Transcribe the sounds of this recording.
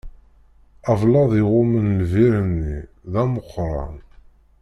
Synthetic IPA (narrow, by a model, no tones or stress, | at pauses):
ævlɑðˤɪʁʊmənlviɾənːi | ðæməqːɾˤɑ̰n